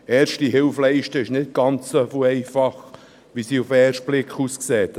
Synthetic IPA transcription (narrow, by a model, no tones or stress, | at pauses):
ɛːɾʃtiɦɪlflɛɪʃtəɪʃnɪt̚ɡ̥ɑnt͡ssofoɛɪfɑχ | ʋisiːufɛːrʃt̚b̥lɪkχuːskseːt